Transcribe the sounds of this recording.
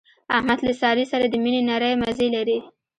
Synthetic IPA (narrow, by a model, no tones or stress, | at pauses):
ahmad̪lasɑɾisaɾad̪əminenaɾəjmazelaɾi